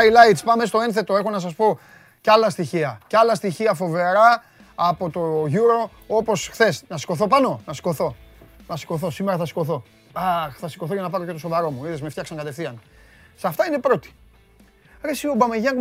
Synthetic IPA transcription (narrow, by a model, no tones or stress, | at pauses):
jlɐjt̪spɐme̞st̪o̞e̞nθe̞t̪o̞e̞xonɐs̬ɐspo̞ | cɐlɐst̪içiɐcɐlɐst̪içiɐfo̞ve̞ɾɐː | po̞t̪o̞ʝuɾo̞ | opo̞sxθe̞snɐsi̥ko̞θopɐno̞nɐsi̥ko̞θo̞nɐsi̥ko̞θo̞simeɾɐθɐsi̥ko̞θo̞ | ɐxθɐsi̥ko̞θocɐnɐpɐɾo̞ct̪osovɐɾo̞muiðezmeft̪çɐksɐŋkɐt̪e̞fθiɐn | sɐft̪ɐine̞pɾo̞t̪i̥ | ɾesio̞bɐmeʝɐŋɡ